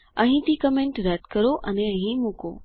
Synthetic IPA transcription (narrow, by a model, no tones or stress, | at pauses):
ə̃ɦĩt̪iːkəmẽɳʈɾɛt̪kəɾoʔəneə̃ɦĩmuko̰